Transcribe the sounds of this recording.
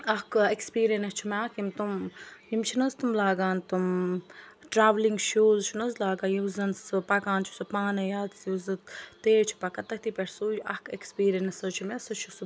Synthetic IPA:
ɐhkekspiːɾiɐnɐst͡ʃʰimaːkʰimt̪umjimt͡ʃʰinɐzt̪umlaːɡaːnt̪um | ʈɾaːʋliŋɡʃuːzt͡ʃʰinɐzlaːɡaːjizɐnsɨpɐkaːnt͡ʃʰi̥sɨpaːnejaːt̪sjuzɨt̪eːt͡ʃʰi̥pɐkɐt̪ɐkt̪ipeɾsujʔɐhkekspiːɾiɐnɐsɐt͡ʃʰimesɐt͡ʃʰus

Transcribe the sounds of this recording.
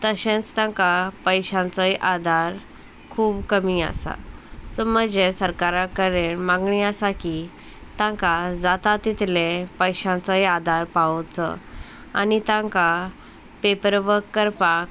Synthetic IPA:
t̪əɕẽt͡st̪ãŋkapəjɕãnt͡sɔjʔad̪ʱaɾ | kʰuːbkəmia̰sa̰sɔməd͡ʑesəɾkaɾakəɾeɳmãŋɡɳiasaki | t̪ãŋkad͡zat̪at̪it̪ʰlẽpəjɕãnt͡sɔjad̪ʱaɾpaɔt͡sɔ̰ | a̰nit̪ãŋka | pepəɾʋəkːəɾpak

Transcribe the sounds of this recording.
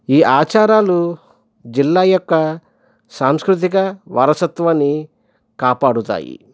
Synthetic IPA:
iːʔaːt͡ʃaːɾaːlu | d͡ʒilːaːjɔkːɐ | saːmskɾut̪̬ikɐʋɐ̰ɾɐsɐt̪ʋɐnːi | kaːpaːɽut̪a̰ːjḭ

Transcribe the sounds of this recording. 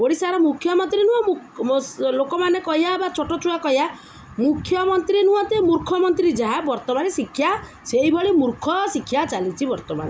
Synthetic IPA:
boɽisaɾɔmukʰːjɔmɔnt̪ɾinũɔu | lokɔmanekɔɦjaebat͡ʃʰɔʈɔt͡ʃʰuɽakɔɦja | mukʰjɔmɔnt̪ɾienuɔ̃t̪emuɾkʰɔmɔnt̪ɾid͡ʒaɦabɔɾt̪ɔmanesikʰja | seɦibɔɭimuɾkʰɔsikʰjat͡ʃalit͡ʃʰibɔɾt̪ɔma̰ne

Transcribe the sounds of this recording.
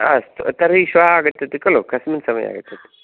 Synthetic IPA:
ɐ̰st̪t̪ɐɾiɕʋaaɡɐt̪ːɐt̪ikɐlokʰɐsminsɐmɐ̰ja̰ɡə̰t̪ːɐt̪i̥

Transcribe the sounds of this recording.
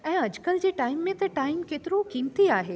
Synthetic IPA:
ɛ̃ːɐd͡ʑkəld͡ʑeːʈaːɪmːẽt̪ɐʈaːɪmkeːt̪ɪɾokiːmt̪iaːɦeː

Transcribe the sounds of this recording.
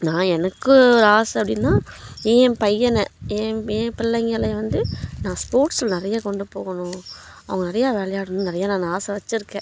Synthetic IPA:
nãːɛnɐkːɯɾaːsɐpːɐɽɪnːãːjẽːpɐjːɐnɛ̃jẽːẽːpɪɭːɐŋɡɐɭɐʋɐnd̪ɯnãːspoːɾʈslnɪɾɐjaːkɔɳɖɯpoːɣɐnʊ̃ | ɐʋɐŋɡɐnɪɾɐjaːʋeːɭɐjaːɽɯnɯnɪɾɐjaːnãːnaːsɐʋɐt͡ʃːɪɾɯkːẽː

